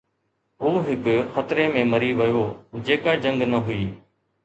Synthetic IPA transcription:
ɦuːɦɪkxət̪ɾeːmẽːməɾiːʋɪjoːd͡ʑeːkaːd͡ʒə̃ŋɡnəɦʊiː

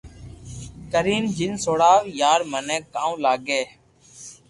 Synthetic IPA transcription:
kəɾiːnd͡ʒɪnsoːɽaːʋjaːɾmənẽːkːãːũːlaːɡeː

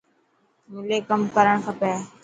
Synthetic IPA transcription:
mʊleːkəmkəɾəɳkʰəpɛː

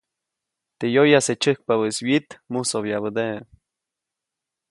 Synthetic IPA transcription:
t̪ejojaset͡ʃəhk̚paβəswit̪musoβjaβəd̪eʔ

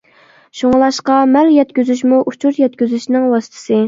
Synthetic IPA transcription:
ʃoŋlˠɑʃqɑmæljɛt̪kʲyzyʃ̬muʔut͡ʃʰuɾjɛt̪̚kʲyzyʃnɪŋwɑsɨ̥t̪ʰɨ̥sɨ

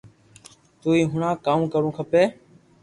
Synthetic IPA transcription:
t̪uːiːɦʊɳãːkaːmkəɽũːkʰəpeː

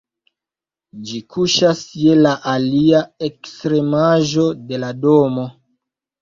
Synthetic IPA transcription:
d͡ʒikuʃasje̞laʔaliae̞kstɾe̞maʒo̞de̞ladomo̞

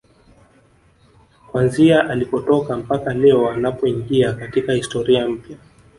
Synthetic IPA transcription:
kwanziaʔalipɔtɔkam̩pakalɛɔanapɔiŋɡiakatikahistɔɾiam̩pja

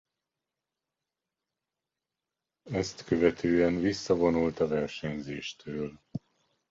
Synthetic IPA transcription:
ɛst̪køvɛt̪ʰøːɛnvisːɒvo̞nult̪ɒvɛrʃɛɲzeːʃt̪ʰøːl

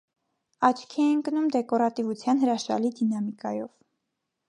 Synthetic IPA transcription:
ɑt͡ʃʰkʰiɛŋkənumd̪ɛkɔɾɑt̪ivut͡sʰjɑnɦəɾɑʃɑ̰lid̪inɑmikɑjɔv

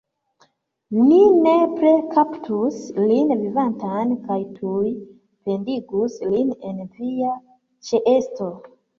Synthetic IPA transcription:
ninepɾekʰaptʰuslinvivantankajtʰuj | pe̞ndiɡuslinenvia | t͡ʃeʔesto

